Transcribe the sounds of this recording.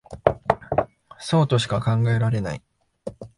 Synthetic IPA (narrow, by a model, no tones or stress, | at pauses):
so̞ːt̪o̞ɕi̥kakãŋɡae̞ɾaɾe̞na̰i